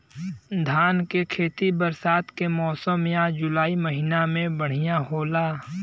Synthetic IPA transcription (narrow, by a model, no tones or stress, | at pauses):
d̪ʱaːnkekʰeːt̪ibəɾsaːt̪kemɔːsəmjãd͡ʒʊlaːiməɦiːnamẽbəɽ̤ɪjaɦoːlaː